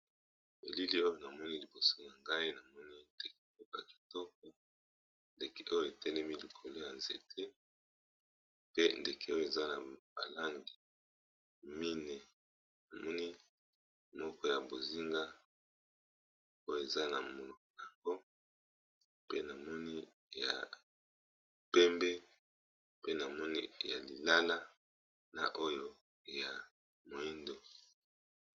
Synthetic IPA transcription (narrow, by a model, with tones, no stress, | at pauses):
bḛ˨li˦li˦o˦jo˦na˨mɔ˦ni˦li˨bo˨so˦na˨ŋɡa˦i˦na˨mɔ˦ni˦nde˨k̚e̥˨o˦ka˨ki̥˨tɔ˦k̚ɔ˨ | nde˨ke˨ʔo˦jo˨e˨tɛ˦lɛ˦mi˦li˨kʰo˨lo˦ja˨nzḛ˨tʰe˦ | pe˦nde˨kʰe˨o˦jo˦˨e˨za˦na˨b̥a̰˨la˦ŋɡi˨ | mi˦ne˨ | na˨mɔ˦ni˦ | mɔ˦kɔ˦ja˨bo˨zi˦ŋɡa˦ | o˦jo˦˨e˨za˦na˨mo˨lo˨kn˨a˨ŋɡo˦ | pe˦na˨mɔ˦ni˦ | ja̰˨ | pɛ˦mbɛ˦ | pe˦na˨mɔ˦ni˦ja̰˨li˨la˦la˦ | na̰˨ʔo˦jo˦ | ja˨ | mo˨i˦ndo˨